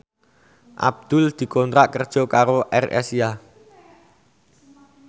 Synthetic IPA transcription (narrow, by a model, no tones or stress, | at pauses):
ʔa̰b̚d̪̥ʊld̪̥i̤kɔnt̪ɾaʔkərd̥ʒ̥ɔ̤kaɾoʔɛ̰rɛ̰sia